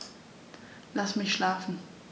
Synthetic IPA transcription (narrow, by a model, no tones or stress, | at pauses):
lasmɪçʃlaːfn̩